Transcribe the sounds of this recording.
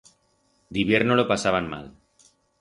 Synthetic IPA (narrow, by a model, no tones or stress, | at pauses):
d̪iβje̞ɾnolopasaβ̞anma̰l